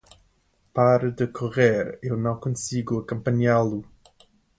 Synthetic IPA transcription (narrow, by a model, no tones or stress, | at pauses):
paɾɐd̪ɨkʰuʁeɾewnɐ̃w̃kõsiɡuɐkõmpɐɲalˠu